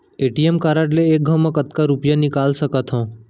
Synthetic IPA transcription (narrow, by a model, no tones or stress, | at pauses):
eʈiemkaɾaʈleːk̚ɡʱəʋmãkət̪kaɾupjanikalsəkat̪ʰɦɔ̃